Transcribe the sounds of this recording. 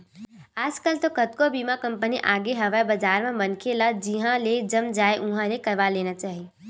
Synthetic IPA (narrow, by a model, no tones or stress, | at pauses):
aːd͡ʒkəlt̪okət̪kobimãkɐ̃mpəniʔaːɡeɦɐʋəbɐd͡ʒaːɾmẽmɐnkʰelad͡ʒiɦãled͡ʒɐmd͡ʒaːeʔʊɦãlekɐɾʋaleːnat͡ʃaːɦie